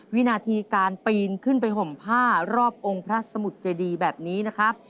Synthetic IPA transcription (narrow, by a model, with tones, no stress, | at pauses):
wi˦˥naː˧t̪ʰiː˧kaː˧npiː˧nkʰɯ˥˩np̬a˧jɦo˨˩mpʰaː˥˩ɾɔː˥˩p̚ʔo˧ŋpʰɾa˦˥sa˧mu˨˩t̪̚t͡ɕeː˧diː˧bɛː˨˩p̚niː˦˥na˦˥kʰa˦˥